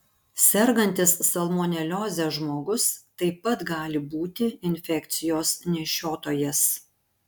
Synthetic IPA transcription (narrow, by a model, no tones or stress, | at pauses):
sʲɛɾɡɐnʲt̪ʲɪsːɐlˠmoːnʲɛlʲoːzʲɛʒmoːɡʊst̪ɐɪpɐt̪ɡɑːlʲɪbuːt̪ʲɪɪnʲfʲɛkʲt̪sʲɪjoːsnʲɛʃʲoːt̪oːjɛs